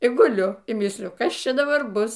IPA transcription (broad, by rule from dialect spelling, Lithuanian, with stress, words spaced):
ɪ ɡʊˈlʲʊ iː ˈmʲiːsʲlʲɪjʊ ˈkɐs ˈt͡ʃʲɛ dɐˈbɐr ˈbʊs